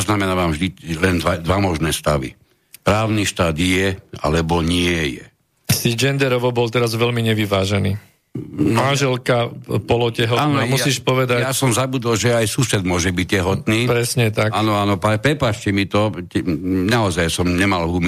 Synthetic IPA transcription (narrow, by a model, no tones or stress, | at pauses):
znamɛnaːʋamʒd̪ilɛnd̪ʋad̪ʋamɔʒnɛːst̪aʋḭ | pɾaːʊniʃt̪aːd̪jɛa̰lɛbɔɲɪɛjɛ̰ | sid͡ʒɛnd̪ɛɾɔʋɔbɔlt̪ɛɾazʋɛlmiɲɛʋiʋaːʒɛniː | manʒɛlkapɔlɔcɛɦɔnaːmusiːʃpɔʋɛd̪ajasɔmzabud̪ɔlʒɛajsuːsɛd̪mʊɔʒɛbic̚cɛɦɔt̪niːpɾɛsɲɛt̪akaːnɔaːnɔpapɾɛpaːt͡ʃcɛmit̪ɔɛnaɔzajsɔmɲɛmalɦum